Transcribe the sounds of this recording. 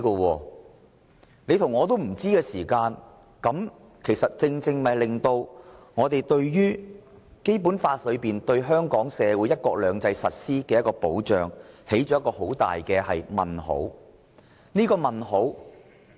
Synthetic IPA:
kɔ˧wɔː˧ | ne˨˧jt̪ʰʊ˨˩ŋːɔː˨˧t̪o˥wm̩˨˩t͡siː˥kɛː˧siː˨˩kaː˧n | kɐ˨˥m | kʰe˨˩jsɐ˨t̚t͡sɪ˧ŋt͡sɪ˧ŋmɐ˨jlɪ˨ŋt̪o˧wŋɔː˨˧t̪e˨jt̪ɵ˧ɥjyː˥ | ke˥jp̬u˨˥nfaː˧t̚lɵ˨˧ɥpiː˨˩nt̪ɵ˧ɥɦœː˥ŋkɔː˨˥ŋsɛː˨˧wuː˨˥jɐ˥t̚kɔː˧k̚lœː˨˧ŋt͡sɐ˧jsɐ˨t̚siː˥kɛː˧jɐ˥tkɔː˧po˨˥wt͡ʃœ̰ː˨ŋhe˨˥jt͡ʃɔː˨˥jɐ˥kɔː˧ho˨˥wt̪a̰ː˨jkɛː˧hɐ˨jmɐ̰˨˩nho̰˨˥w | niː˥kɔː˧mɐ˨˩nɦo˨˥w

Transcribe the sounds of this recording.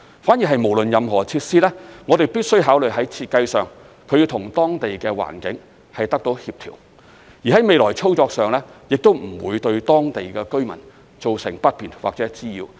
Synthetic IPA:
faː˨˥njiː˨˩ɦɐ˨jmo˨˩wlɵ˨njɐ˨mɦɔː˨˩t͡sʰiː˧t̚siː˥lɛː˥ŋɔː˨˧ɾe˨jpiː˥t̚sɵ˥ɥɦaː˨˥wlɵ˨ɥɦɐ˨˥jt͡sʰiː˧t̚kɐ˧jsœː˨ŋ | kʰɵ˨˧ɥji˧wt̪ʰʊ˨˩ŋt̪ɔː˥ŋt̪e˨jkɛː˧wa̰ː˨˩nkɪ̰˨˥ŋ | hɐ˨jt̪ɐ˥k̚t̪o˨˥whiː˧p̚t̪ʰiː˨˩w | jiː˨˩ɦɐ˨˥jme˨˧jlɔː˨˩jt͡sʰo˥wt͡sɔː˧k̚sœː˨˩ŋlɛː˥jɪ˨k̚t̪o˥wm̩˨˩wuː˨˧jt̪ɵ˧ɥt̪ɔː˥ŋt̪e˨jkɛː˧kɵ˥ɥmɐ̰˨˩n | t͡so˨wsɪ̰˨˩ŋpɐ˥t̚piː˨nwa̰˨k̚t͡sɛː˨˦˥t͡siː˥jḭː˨˧w

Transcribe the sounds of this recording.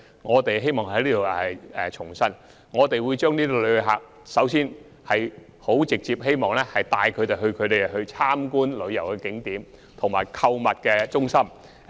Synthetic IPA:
ŋɔː˨˧t̪e˨jɦe˥jmɔː˨˩ŋhɐ˨˥jliː˥t̪o˨˧wɛ˨ɛ˨t͡ʃʰʊ˨˩ŋsɐ˥n | ŋɔː˨˧t̪e˨jwuː˨˧jt͡ʃœː˥ŋniː˥t̪o˨˧lɵ˨˧ɦa̰ː˨k̚ | sɐ˨˥wsiː˥n | hɐ˨j | ho˨˥wt͡sɪ˨k̚t͡siː˧p̚ɦe˥jmɔː˨˩ŋlɛː˥hɐ˨˩jt̪aː˧jkʰɵ˨˧ɥt̪e˨jɦɵ˧ɥkʰɵ˨˧ɥt̪e˨jhɵ˧ɥt͡sʰaː˥mkuː˥nlɵ˨˧ɥjɐ˨˩wkɛ˧kɪ˨˥ŋt̪iː˨˥m | t̪ʰʊ˨˩ŋmaː˨˩jkʰɐ˧wmɐ˨t̚kɛː˧t͡sʊ˥ŋsɐ˥m

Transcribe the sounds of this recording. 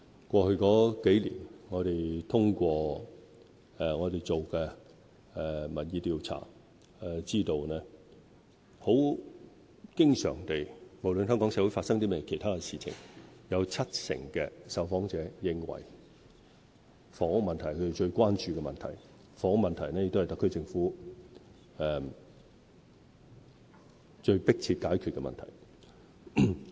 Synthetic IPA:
kʷɔː˧hɵ˧ɥkɔː˨˥ke˨˥jlḭː˨˩nŋɔː˨˧ɾe˨jt̪ʰʊ˥ŋkʷɔː˧ | ɛ˨ŋɔː˨˧t̪e˨jt͡so˨wkɛ˧˨˧ | mɐ˨t̚jiː˨˧t̪iː˨˧wt͡sʰa̰ː˨˩ | ɛ˨˧t͡siː˥t̪o˨wnɛ˥ | ho˨˥w | kɪ˥ŋsœ̰ː˨˩ŋt̪e˨jmo˨˩wlnhœː˥ŋkɔː˨˥ŋsɛ˨˥wu˨˥jfaː˧t̚sɐ˥ŋt̪̬iː˥mɛ˥jkʰe˨˩jt̪ʰaː˥kɛ˧siː˨˩t͡sʰɪ̰˨˩ŋjɐ˨˧wt͡sʰɐ˥t̚sɪ̰˨˩ŋkɛː˧sɐ˨˧wfɔː˨˥ŋt͡sɛː˨˧˥jɪ˨ŋwɐ̰˨˩j | fɔː˨˥mɐ˨nt̪ʰɐ˨˩jkʰɵ˨˧te˨jt͡ʃɵ˧ɥkʷwaː˥nt͡ʃyː˨˧kɛ˧mɐ˨nt̪ʰɐ˨˩j | fɔː˨˥ŋmɐ˨nt̪ʰɐ˨˩jnɛː˥jɪ˧kt̪o˥hjt̪ɐ˥kʰːɵ˥t͡sɪ˧ŋfuː˨˥ | ɛ˨˧m | t͡ʃɵ˧ɥpɪ˥k̚t͡sʰiː˧t̚kaː˨˥jkʰy˨t̚kɛ˧mɐ̰˨nt̪ʰɐ̰˨˩j

